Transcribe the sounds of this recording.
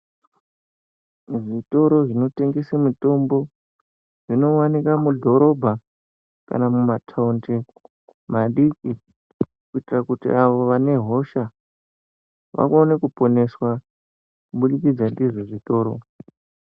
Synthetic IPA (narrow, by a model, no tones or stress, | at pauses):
ʐito̞ɾo̞ʐino̞te̞ŋɡesamuto̞mbo̞ | ʐ̥ino̞wanikamudʱo̞ɾo̞bʱa | ka̰namumatʰaunti | maɗiki | kuitirakutḭʔaʋo̞ʋane̞ɦo̞ʃa | ʋa̰konekupo̞ne̞swa | kuɓuɗikid͡zandiʐeʐito̞ːɾo̞̰